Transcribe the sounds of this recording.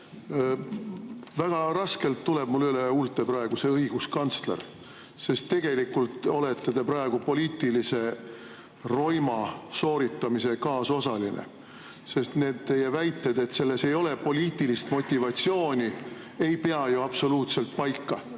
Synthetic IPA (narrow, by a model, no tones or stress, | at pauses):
væɡ̥ɑrɑske̞lt̪ːule̞b̥mulːyleult̪ːˑe̞prɑe̞ɡ̥use̞ɤjɡ̥uskɑnt̪sle̞̰r | se̞st̪ːe̞ɡ̥e̞likːult̪ˑo̞let̪ːed̪e̞prɑe̞ɡ̥upo̞lʲiːt̪ːˑilise̞ | ro̞jmɑso̞ːɾit̪ːˑɑmise̞kɑːso̞sɑlinḛ | se̞st̪ne̞ːd̪̚t̪e̞jevæjt̪ːˑed̪̥e̞t̪se̞lːe̞se̞jo̞le̞po̞lʲiːt̪ːˑilist̪mo̞t̪ʲːivɑt̪sio̞ːnʲi | e̞jpe̞ɑjuɑb̥so̞luːt̪se̞lt̪̚pɑjkːɑ